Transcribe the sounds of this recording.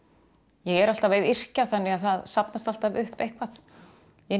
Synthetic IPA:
jɛɣɛɾal̥t̪avejðɪr̥caθanːɪɣaðθaðsapnast̪al̥t̪avʏhpejhkvaθ | jɛ

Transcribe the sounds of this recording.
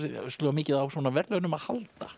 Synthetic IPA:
ɾst̪lɔːmɪːcɪðawsvɔːnavɛɾt̪œɣʏnʏmaðhalt̪a̰

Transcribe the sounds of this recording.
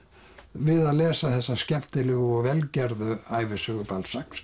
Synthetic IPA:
vɪðaðlɛːsaθɛsːascɛm̥t̪ɪlʏɣʏɔɣvɛlcɛɾðʏaːjvɪsʏɣʏpalsaks

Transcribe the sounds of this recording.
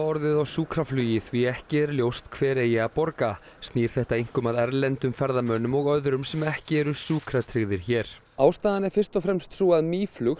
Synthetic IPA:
ɔɾðɪðɔɣsuːkɾaflyːjɪθviɛhcɪɛɾljowst̪kʰvɛːɾɛjɪapɔɾka | st̪niːɾ̥θɛht̪aiŋ̥kʏmaðɛɾlɛnt̪ʏmfɛɾðamœnʏmɔɣœðɾʏmsɛmɛhcɪɛɾʏsuːkɾat̪ʰɾɪɣðɪɾ̥çɛːɾ̥ | aːwst̪aːðanɛɾfɪr̥st̪ɔfɾɛmst̪suaðmiːflʏx

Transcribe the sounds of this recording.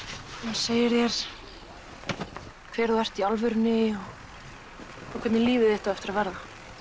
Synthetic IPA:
aseːjɪɾjɛɾ̥ | kʰvɛːɾðuɛr̥t̪ialvʏɾnɪɔɣ | ɔwkʰvɛt̪nɪliːvɪðɪht̪avɛft̪ɪɾavɛɾða

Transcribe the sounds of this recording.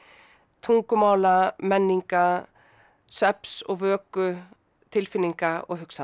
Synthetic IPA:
t̪ʰuŋkʏmaːwlamɛnːiŋka | sɛpsɔɣvœːkʏ | t̪ʰɪlfɪnːiŋkaɔ̰ɣɦʏksa

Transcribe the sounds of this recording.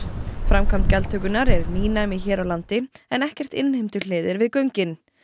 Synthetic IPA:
fɾamkʰamt̪̚cɛlt̪ʰœːkʏnaɾɛɾniːnaɛmɪçɛːɾawlant̪ɪɛnɛhcɛr̥t̪ɪnhɪmt̪ʏl̥eːðɪɾvɪðkœɥɲcɪn

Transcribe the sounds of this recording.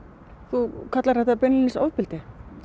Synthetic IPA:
θukʰat̪laɾ̥hɛht̪apɪnɪɪnsa̰wvpɪlt̪ɪ

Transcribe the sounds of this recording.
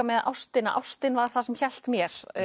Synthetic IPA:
amɛðaʔawst̪ɪna̰ʔa̰wst̪ɪnvḁθasɛmçɛl̥t̪mjɛɾ̥

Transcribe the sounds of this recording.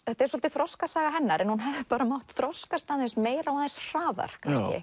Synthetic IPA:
θɛht̪aɛɾswɔlt̪ɪθɾɔskasaːɣaɦɛnːaɾʔɛnhunɦɛðɪpaːɾamawhtt̪θɾɔskast̪aðensmeːjɾawaðensr̥aːða̰ɾ̥kʰanscɪ̰

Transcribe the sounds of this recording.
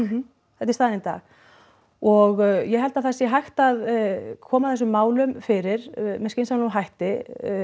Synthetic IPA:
θɛt̪ɪ̥st̪aːðɛnɪnt̪a̰ːɣ | ɔɣjɛɦɛlt̪aðθɛsjɛɦajxt̪aðkʰɔːmaθɛs̬ʏmːaːwlʏmfɪɾɪɾmɛðskcɪjnsanlɔɦajht̪ɪ

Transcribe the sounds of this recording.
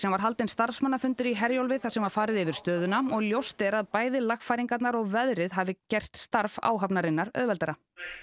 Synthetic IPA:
sɛmvaɾɦalt̪ɪnst̪aɾ̥fsmanːafʏnt̪ʏɾiɦɛɾjowlvɪðθasɛmvaɾ̥faːɾɪðɪvɪɾ̥st̪œːðʏnaɔɣljowst̪ɛɾaðpaːjðɪlaxfajɾiŋkat̪naɾɔɣvɛðɾɪðɦavɪcɛjr̥t̪st̪aɾva̰ːwɦapnaɾɪnːaɾœ̰ðvɛlt̪ɛɾa

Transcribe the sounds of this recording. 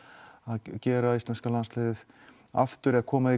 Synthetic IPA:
aðcɛːɾaist̪lɛnskalanslɛːðɪð | a̰ft̪ʏɾɛkʰɔːmaði

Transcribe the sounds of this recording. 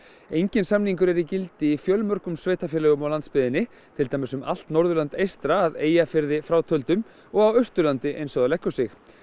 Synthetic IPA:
ejɲcɪnsamniŋkʏɾɛɾicɪlt̪ɪifjœlmœɾkʏmsveːjt̪afjɛlɛɣʏmawlant̪spɪðɪnːɪ | t̪ʰɪlt̪ajmɪsʏma̰l̥t̪nɔɾðʏlant̪ejst̪ɾaːðeːjafɪɾðɪfɾawt̪ʰœlt̪ʏm | ɔɣawœst̪ʏlant̪ɪʔḛjnsɔɣðalɛhkːʏsɪx

